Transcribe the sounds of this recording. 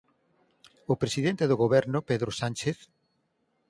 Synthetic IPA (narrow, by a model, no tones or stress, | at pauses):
ʊpɾesiðent̪eðoɣoβɛɾnʊpeðɾosant͡ʃeθ